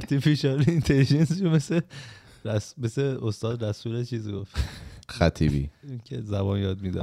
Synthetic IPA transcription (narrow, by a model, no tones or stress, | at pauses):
ɾt̪ʰifiʃɑɾiint̪ʰelid͡ʒensʃomese | ɾæsmeseost̪ɒːd̪ræsuːlet͡ʃʰiːzɡoft̪xæt̪ʰiːbḭːiŋcʰezæbɒːnjɒːd̪̚mid̪æ̰